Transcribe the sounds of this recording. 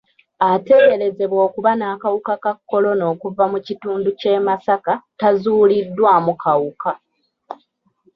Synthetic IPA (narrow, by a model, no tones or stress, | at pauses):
ate̞ɡe̞ɾe̞ze̞βwo̞ːkuβanaːkawukakakːo̞lo̞no̞ːkuvamucituːnduce̞ːmasakatazuːlidːwaːmukʰawuka